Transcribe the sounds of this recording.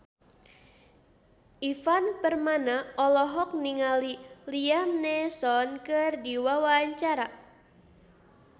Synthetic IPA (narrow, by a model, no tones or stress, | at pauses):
ʔifanpərmanaɔlɔɦɔk̚niŋaliliamnɛsɔnkɨrdiwawaaɲt͡ʃaɾa